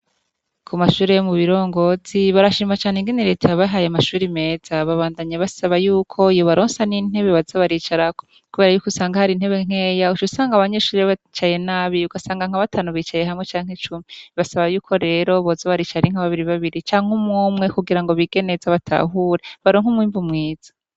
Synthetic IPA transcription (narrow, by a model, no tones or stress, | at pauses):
kʰumaʃuːɾejomuβiɾo̞ːŋɡo̞z̥iβaɾaʃiːmat͡ʃaːneŋɡiniɾe̞tʰaβaɦajeamaʃuːɾime̞ːz̥aβaβaːndaɲaβasaβajuːkʰo̞ijoβaɾoːnsanin̥he̞βe̞βazaβaɾiːt͡ʃaɾako̥ | kuβeɾajukusaːŋɡahaɾiːn̥e̞βeŋ̥e̞jaut͡ʃusaːŋɡaβaɲeʃuːɾβat͡ʃaje̞naːβiuɡasaːŋɡaŋ̥aβatʰaːnuβiːt͡ʃaje̞ɦamŋe̞t͡ʃaːŋ̥et͡ʃumiβasaβajuːkʰo̞ɾe̞ɾo̞βozaβaɾit͡ʃaɾiŋ̥haβaβiɾiβaβiɾit͡ʃaːŋ̥umuːmŋe̞kuɡiɾaŋɡo̞βiɡe̞ne̞zaβatʰa̰ɦuːɾeβaɾoːŋ̥umwiːɱvumŋiːz̥ḁ